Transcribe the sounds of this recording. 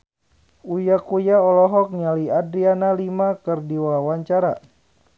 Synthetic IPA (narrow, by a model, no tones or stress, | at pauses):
ujakujaɔlɔɦɔk̚ɲaliadɾianalimakɨrdiwawaɲt͡ʃaɾa